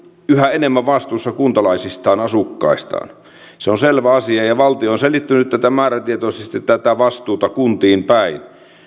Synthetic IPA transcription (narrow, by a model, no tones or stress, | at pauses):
yhæenemːæʋɑst̪uːsːɑkunt̪ɑlɑisist̪ɑːnɑsukːɑ̰ˑist̪ɑ̰ːn | seonselʋæɑsiɑjɑʋɑlt̪ioːnselit̪ːynyt̪tæt̪æmæːræt̪iet̪oˑisest̪ˑet̪ːæt̪æʋɑst̪ˑuːt̪ɑkunt̪iːmpæˑin